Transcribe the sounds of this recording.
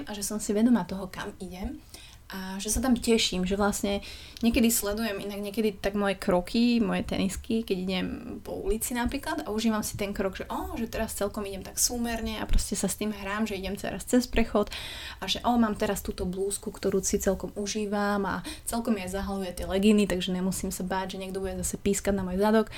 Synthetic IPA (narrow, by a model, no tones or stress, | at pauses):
maʒɛsɔmsiʋɛd̪ɔmaːt̪ɔɦɔka̰miɟɛm | ʔaʒɛsat̪amcɛʃimʒɛʋlasɲɛ | ɲɛkɛd̪islɛd̪ujɛminaɡɲɛkɛd̪it̪aɡmɔjɛkɾɔkʰimɔjɛt̪ɛ̰niskikɛɟiɟɛmpɔ̰ṵlit͡sinapɾiːklad̪auʒiːʋamsi̥t̪ɛŋkɾɔɡʒɛʔɔːʒɛt̪ɛɾast͡sɛlkɔmiɟɛmt̪aksuːmɛɾɲɛa̰pɾɔscɛsast̪iːmɦɾaːmʒɛiɟɛmt͡sɛ̰ɾast͡sɛspɾɛxɔt̪ʔaʒɛʔɔːmaːmt̪ɛɾast̪uːt̪ɔbluːskukt̪ɔɾuːsit͡sɛlkɔmuʒiːʋama̰t͡sɛlkɔmjɛzaɦalujɛt̪ɪɛlɛɡinit̪aɡʒɛɲɛmusiːmsabaːɟʒɛɲɛɡ̚d̪ɔbuɟɛzasɛpiːskaɟ̪namɔjzad̪ɔk